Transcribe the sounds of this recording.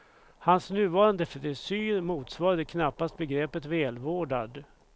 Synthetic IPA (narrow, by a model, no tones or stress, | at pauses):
hansnʉ̟ːvɑːɾand̪əfɛd̪ɛsyːɾmuːt̪svɑːɾad̪əkʰnapːast̪̚bɛɡɾɛpət̪vɛːlvoːɖad̪